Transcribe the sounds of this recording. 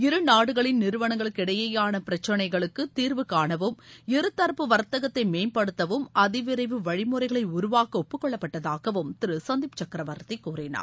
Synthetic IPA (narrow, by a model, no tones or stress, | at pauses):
ɪɾɯnaːɽɯɣɐɭɪnnɪɾɯʋɐɳɐŋɡɐɭɯkːɪɽɐjɐjaːnɐpɪɾɐt͡ʃːɐnɐɪɣɐɭɯkːɯt̪iːɾʋɯkaːɳɐʋɯmɪɾɯt̪ːɐɾpɯʋɐɾt̪ːɐɣɐt̪ːɐɪmeːnpɐɽɯt̪ːɐʋɯmɐðɪʋɪɾɐɪʋɯʋɐɻɪmɯɾɐɪɣɐɭɐɪʊɾʊʋaːkɐɔpːɯkːɔɭːɐpːɐʈːɐðaːɣɐʋɯmt̪ɪɾɯsɐnd̪ɪpt͡ʃɐkːɪɾɐʋɐɾt̪ːɐkːuːrɪna̰ː